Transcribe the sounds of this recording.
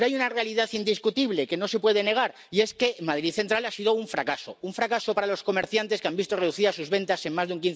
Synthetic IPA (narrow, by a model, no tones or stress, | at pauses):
ɾoajunare̞aliðaθind̪iskut̪iβle̞ke̞no̞se̞pwe̞ðe̞ne̞ɣ̞aɾ | ie̞ske̞maðɾiðθe̞nt̪ɾalasiðo̞uɱfɾakaso̞uɱfɾakaso̞paɾalo̞sko̞me̞ɾθjant̪e̞skeambist̪ore̞ðuθiðasuzβe̞nt̪ase̞ŋmazðeuŋk̬in